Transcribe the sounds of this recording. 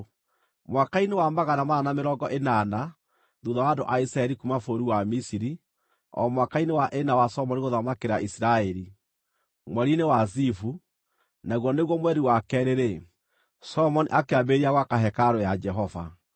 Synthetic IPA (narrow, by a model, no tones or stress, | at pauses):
mwakainewamaɣanamaːnameɾɔɡɔʔenana | ðuðawadoʔaisɾaɛɾikumafoɾiwamisiɾi | ɔ̰mwakainewaʔenawasɔmɔniɣoðamakeɾaʔisiɾaɛɾi | mwɛɾinewazifu | naɣwɔneɣwɔmwɛɾiwakɛɾeɾe | sɔmɔnḭʔakeabeɾiaɣwakaɦɛkaɾojad͡ʒɛɦɔva̰